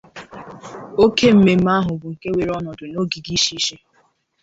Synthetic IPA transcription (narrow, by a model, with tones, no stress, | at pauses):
o˦ke˦m̩˨me˨m̩˦a˦ɦʊ˨bʊ˨ŋ̩˨ke˦we˨ɾɔ˦nɔ˨dʊ˨no˦ɡi˨ɡi˦ʃi˦ʃe˦